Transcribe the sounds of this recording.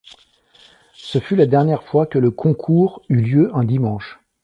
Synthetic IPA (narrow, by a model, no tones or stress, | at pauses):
səfylad̪ɛʁnjɛʁfwakələkʰɔ̃kʰuːʁyljøʔɛ̃d̪imɑ̃ʃ